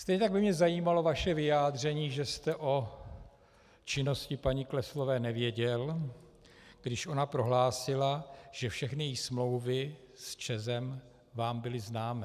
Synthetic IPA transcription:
st̪ɛjɲɛt̪aɡbɪmɲɛzajiːmalo̞vaʃɛvɪjaːdr̝ɛɲiːʒɛst̪ɛʔo̞ | t͡ʃɪno̞scɪpaɲɪklɛslo̞vɛːnɛvjɛɟɛl | ɡ̥dɪʃʔo̞napɾo̞ɦlaːsɪlaʒ̥ɛfʃɛxnɪjɛjismlo̞wvɪ | st͡ʃɛzɛm | vaːmbɪlɪznaːmɪ

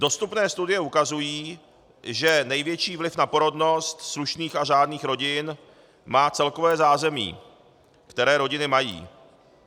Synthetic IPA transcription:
d̥o̞st̪upnɛːst̪udɪjɛukazujiː | ʒɛnɛjvjɛt͡ʃiːvlɪfnapo̞ɾo̞dno̞st̪sluʃniːxaʒaːdniːxɾo̞ɟɪn | maːt͡sɛlko̞vɛːzaːzɛmḭː | kt̪ɛɾɛːɾo̞ɟɪnɪmajḭː

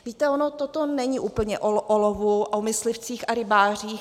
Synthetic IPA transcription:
viːt̪ɛonot̪ot̪onɛɲɪʔuːpl̩ɲɛʔoʔolovuomɪslɪft͡siːxaɾɪbaːr̝iːx

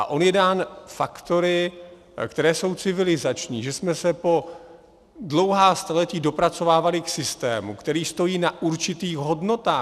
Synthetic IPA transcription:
ʔa̰ʔo̞njɛdaːnfakt̪o̞ɾɪ | kt̪ɛɾɛːso̞wt͡sɪvɪlɪzat͡ʃɲiːʒɛsmɛsɛpo̞ | dlo̞wɦaːst̪alɛc̪iːdo̞pɾat͡so̞vaːvalɪksɪst̪ɛ̰ːmṵkt̪ɛɾiːst̪o̞jiːnaʔuɾt͡ʃɪt̪iːxɣɦo̞dno̞t̪aː

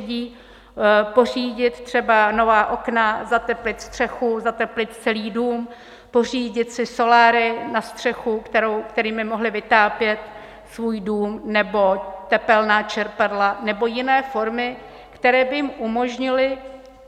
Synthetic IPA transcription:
iː | po̞r̝iːɟɪt̪t̪r̝̥ɛbano̞vaːʔo̞knazat̪ɛplɪt̪st̪r̝̥ɛxuzat̪ɛplɪt̪t͡sɛliːduːm | po̞r̝iːɟɪt̪sɪso̞laːɾɪnast̪r̝̥ɛxukt̪ɛɾowkt̪ɛɾiːmɪmo̞ɦlɪvɪt̪aːpjɛt̪ | svuːjduːmnɛbo̞t̪ɛpɛlnaːt͡ʃɛɾpadlanɛbo̞jɪnɛːfo̞ɾmɪ | kt̪ɛɾɛːbɪjɪmʔumo̞ʒɲɪlɪ

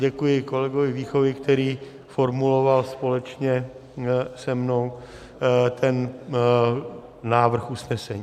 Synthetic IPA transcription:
ɟɛkujɪko̞lɛɡovɪviːxo̞vɪkt̪ɛɾiː | fo̞ɾmulo̞valspo̞lɛt͡ʃɲɛ | sɛmnow | t̪ʰɛn | naːvr̩xusnɛsɛɲiː

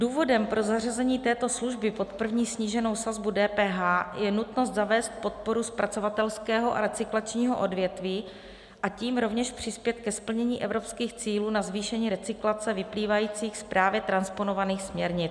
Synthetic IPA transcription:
duːvo̞dɛmpɾo̞zar̝azɛɲiːt̪ɛːt̪o̞sluʒbɪpo̞t̪pr̩vɲiːsɲiːʒɛno̞wsazbudɛːpɛːɦaːjɛnut̪no̞st̪zavɛːst̪̚po̞t̪̚po̞ɾuspɾat͡so̞vat̪ɛlskɛːɦo̞ʔa̰ɾɛt͡sɪklat͡ʃɲiːɦo̞̰ʔo̞dvjɛt̪viː | ʔaciːmɾo̞vɲɛʃpr̝̥ɪspjɛt̪̚kɛspl̩ɲɛɲiːʔɛvɾo̞pskiːxt͡siːluːnazviːʃɛɲiːɾɛt͡sɪklat͡sɛvɪpliːvajiːt͡siːxspɾaːvjɛt̪ɾanspo̞no̞vaniːxsmɲɛɾɲɪt͡s

